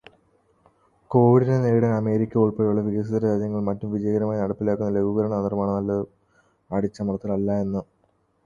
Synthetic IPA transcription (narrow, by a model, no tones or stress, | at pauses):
ko̞ːʋiɽinene̞ːuɽɐnɐme̞ːɾikʲːɐuɭpeɻuɭːɐʋiɣɐsid̪ɐɾɐad͡ʑjɐŋːɐɭmɐtːumʋid͡ʑɐjɐɣɐɾɐmaːjinɐɽɐpːilaːkːunːɐle̞ɡʱuɣɐɾɐɳɐɐnirɐmaːɳɨnɐlːɐð | aɽit͡ɕːɐmɐrɐt̪ːɐlɐlːɐe̞nːu